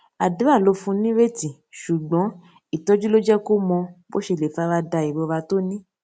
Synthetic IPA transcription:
a˨dũ˨˦a˦˨lo˨˦fũ˧nĩ˦ɾe˦ti˨ | ʃu˨ɡ͡bɔ̃˨˦ | i˨tɔ˦d͡ʒu˦lo˦d͡ʒɛ˦ko˦mɔ̃˧bo˦ʃe˧˨le˨fa˦ɾa˧da˧i˨bo˨˦˧a˧to˦nĩ˦

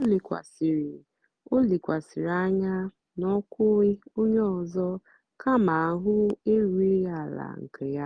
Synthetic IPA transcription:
o˦li˨kʷa̰˨si˨ɾi˨ | o˦li˨kʷa˨si˨ɾa˦ɲa˦ | nɔ˦kʷʊ˦ɪ˦o˦ɲ˦ɔ˨zɔ˦ | kʰa˦ma˨a˨˦ɦʊ˦e˦ɾu˦i˦ja˦˨la̰˨ŋ̩˨kʰe˨ja˦

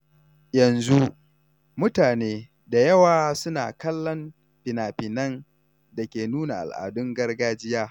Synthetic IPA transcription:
jɐ˨nzu˦ | mʊ˦taː˨neː˦ | da˨jɐ˦waː˨sʊ˦na̰ː˨kɐ˦lːɐ˦m | ɸɪ˨naː˨ɸɪ˨nɐ˦n | da˨kʲeː˨nuː˦na˨ʔa̰˨lʔa̰ː˨dʊ˦ŋɡɐ˦rɡaː˦d͡ʒɪ˦jaː˦

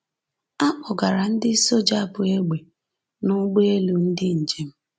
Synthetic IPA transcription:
a˦k͡pɔʊ˨ɡa˨ɾa˨n̩˦dɪ˦so˦d͡ʒa˦˨bʊ˨e˦ɡ͡be˨ | nʊ˦ɡ͡be˦e˦lu˨n̩˦dɪ˦n̩˨d͡ʒe˨m̩˦

